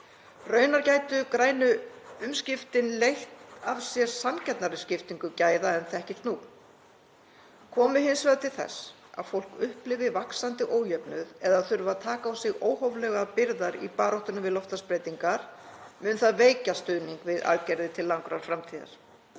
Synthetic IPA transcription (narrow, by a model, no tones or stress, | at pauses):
rœːɥnaɾcaːjt̪ʏkɾaːjnʏʏmscɪft̪ɪnlejht̪avsjɛɾ̥samcʰɛt̪naɾʏscɪft̪iŋkʏcaːjðaɛnθɛhcɪl̥t̪nu | kʰɔːmʏɦɪnsvɛɾðt̪ʰɪlθɛ̰s | a̰ðfowl̥kʏhplɪvɪvaksant̪ɪʔoːwjœpnʏðɛðaðθʏɾvat̪ʰaːkaawsɪɣoːwhowvlɛɣapɪɾðaɾḭpaːɾɔwht̪ʏnʏmvɪðlɔft̪aspɾeːjt̪iŋkaɾ̥mʏːnʏθaðveːjcast̪ʏðniŋkvɪða̰ðcɛɾðɪt̪ʰɪlːaŋkɾa̰ɾ̥fɾamt̪ʰiːða̰ɾ̥